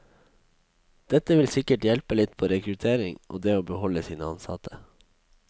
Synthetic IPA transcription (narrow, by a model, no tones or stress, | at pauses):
d̪̥ɛt̪əʋɪlsɪkəʈjɛlpəlɪt̪pʰoːɾɛkɾʉt̪ʰeːɾɪŋʔo̰ːd̪eːoːbəhɔləsiːnəɑnsɑ̰t̪ʰə